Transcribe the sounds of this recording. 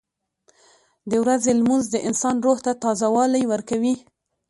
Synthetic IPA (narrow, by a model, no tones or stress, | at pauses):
d̪əwɾazelmunzd̪əʔɪnsɑnɾoht̪at̪ɑzawɑlajwəɾkawi